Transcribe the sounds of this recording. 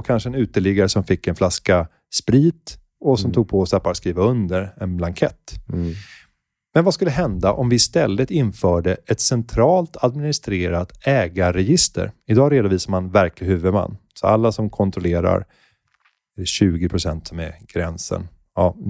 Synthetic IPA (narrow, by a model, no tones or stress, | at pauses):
ɔkʰanʂəɛnʉ̟ːt̪əɭɪɡaɾəsɔmfɪkːɛnflaska | spɾiːt̪ | ɔsɔmt̪ʰuːɡ̚pʰɔɔsɛpːaɾskɾiːvaɵnd̪əɾɛnblaŋkʰɛt̪ː | mɛnvaskɵlːəɦɛnd̪aʔɔmvɪɪst̪ɛlːət̪ɪnfœːɖəʔɛt̪sɛnt̪ʰɾɑːlt̪ʰad̪̚mɪnɪst̪ɾeːɾat̪ɛːɡaɾɛjɪst̪ə̰ɾɪd̪ɑːɾeːd̪ʊviːsaɾmanvæɾklɪɦʉ̟ːvɵd̪ma̰nːsɔa̰lːasɔmkʰɔnt̪ʰɾɔleːɾa̰ɾ | ɕʉ̟ːɡɪpʰɾʊsɛnt̪sɔmɛɡ̥ɾɛnsə̰n | ɑː